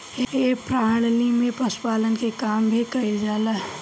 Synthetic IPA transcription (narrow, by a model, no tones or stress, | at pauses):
epɾaɽlimẽpəspaːlənkekaːmbʱikəild͡ʒaːla